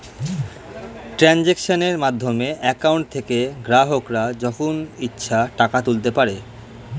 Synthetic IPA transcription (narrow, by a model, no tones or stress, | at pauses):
ʈɾɛnd͡ʑekʃoneɾmad̪ʱːomeʔɛkawɳʈ̚t̪ʰekeɡɾaɦokɾad͡ʑɔkʰonitːɕʰaʈakat̪ult̪epaɾe